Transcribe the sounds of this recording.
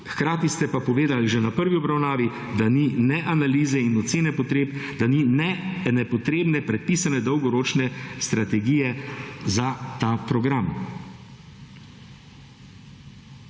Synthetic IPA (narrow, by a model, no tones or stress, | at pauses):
xkɾaːt̪ist̪ɛpapɔʋeːd̪alʒɛnapəɾʋiɔbɾawnaːʋi | d̪aninɛʔanaliːzɛinɔt̪seːnɛpɔt̪ɾeːpd̪̥aninɛnɛpɔt̪ɾeːbnɛpɾɛt̪̚piːsanɛd̪ɔwɡɔɾoːt͡ʃnɛst̪ɾat̪ɛɡijɛzat̪aːpɾɔɡɾam